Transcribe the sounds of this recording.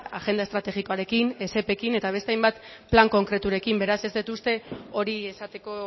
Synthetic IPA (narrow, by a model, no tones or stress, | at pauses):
aʝe̞nd̪ae̞st̪ɾat̪e̞ɣiko̞aɾe̞kine̞se̞pe̞kine̞t̪aβ̞est̪eajmbat̪plaŋko̞ŋkɾe̞t̪uɾe̞kimbe̞ɾase̞zd̪it̪ust̪e̞o̞ɾie̞sat̪e̞ko̞